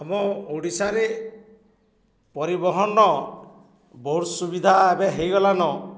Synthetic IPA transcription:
ɔmɔoɽisaɾe | pɔɾibɔɦɔnɔ | boɾsubid̪ʱaebeɦejɡɔlanɔ

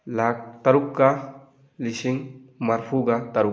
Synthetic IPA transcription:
lak̚t̪aɾukːa | lisiŋmaɾfuɡat̪aɾu

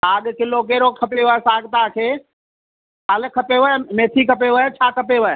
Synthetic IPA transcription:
aːɡkɪlokeːɾokʰəpeʋɛsaːɡt̪akʰeː | alkʰəpeʋəmeːt̪ʰikəpeʋət͡ʃʰaːkəpeʋəɛ

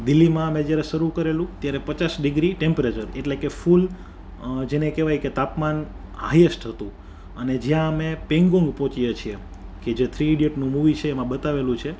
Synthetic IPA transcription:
d̪ɪlːimãəmẽd͡ʒjaɾeʃəɾukəɾelũt̪jaɾepət͡ʃasɖɪɡɾiʈempɾet͡ʃəɾeʈlekeful | d͡ʒenekeʋajket̪apman | ɦajesʈɦət̪ũ | əned͡ʒjãəmepẽŋɡõŋɡpɔ̃t͡ʃijet͡ʃʰie | ked͡ʒet̪ʰɾiːɖijeʈnũmuʋit͡ʃʰeːmãbət̪aʋelũt͡ʃʰe

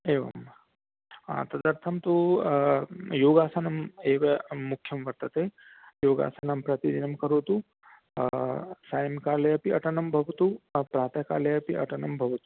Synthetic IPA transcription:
eːʋɐ̰m | a̰ːt̪ɐd̪ɐɾt̪ʰɐmt̪o | joːɡaːsanɐmeːʋɐːʊkʰːjɐmʋɐɾt̪ɐt̪e | joːɡa̰ːsanɐmpɾɐt̪id̪inɐmkɐɾoːt̪u | saːjmkaːlɐjɐpiɐʈɐnɐmbʱɐʋɐt̪upɾaːt̪ɐka̰ːlɐjɐpiʔɐ̰ʈɐnɐmbʱɐʋɐt̪u

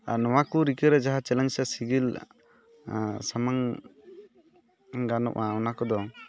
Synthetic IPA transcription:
a̰ɾnɔwakuɾikəɾɛd͡ʒaɦat͡ʃɛlɛnsasiɡil | samaŋ | ɡanɔ̰ʔaɔnakɔd̪ɔ

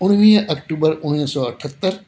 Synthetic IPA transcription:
ʊɽ̃ʋiʔɐk̚ʈuːbəɾʊɽisɔːəʈʰət̪ːəɾ

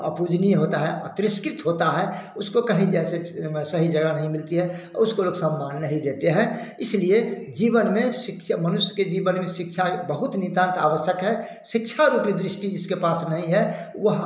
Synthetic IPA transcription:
ə̰puːd͡ʒniɦoːt̪aɦɛʔə̰t̪ɾɪskɾɪt̪ɦoːt̪aɦɛʊskokɐɦĩd͡ʒɛːsesɐɦid͡ʒɐɡanɐɦĩmɪlt̪iɦɛɔ̰ɾʊskoloːɡsəmːaːnːɐɦĩd̪eːt̪eɦɛ̃ɪslied͡ʒiːʋənmẽʃɪkʃmənʊʃjə̥ked͡ʒiːbənmẽʃɪkʃʰabəɦʊt̪nɪ̃t̪ãːnt̪a̰ːʋəʃjəkɦɛ | ʃɪkʃʰaɾuːpid̪ɾɪʃʈid͡ʒɪskepaːsnɐɦĩɦɛ | ʋəɦ

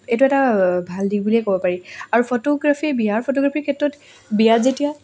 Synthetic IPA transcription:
etuɛtabʱaldik̚buliɛkɔbɔpaɹiaɹupʰotɔɡɹapʰibiɦaɹpʰotɔɡɹapʰiɹkʰɛtɹɔt | biazetija

